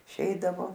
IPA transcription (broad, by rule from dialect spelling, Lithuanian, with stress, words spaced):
ɪˈʃʲɛɪdɐʋoː